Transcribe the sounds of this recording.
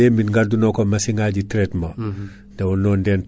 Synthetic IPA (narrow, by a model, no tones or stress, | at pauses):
eminŋɡadunokomasiŋɡaɟitɾetmo | dawunoːndeːn